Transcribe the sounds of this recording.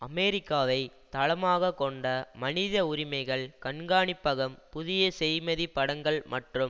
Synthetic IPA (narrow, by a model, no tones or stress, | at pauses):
ɐmeːɾɪkːaːʋɐɪt̪ɐɭɐmaːɣɐkɔɳɖɐmɐnɪðɐʊɾɪmɐɪɣɐɭkɐɳɡaːɳɪpːɐɣɐmpʊðɪjɐsɛjmɐðipːɐɽɐŋɡɐɭmɐʈrɯm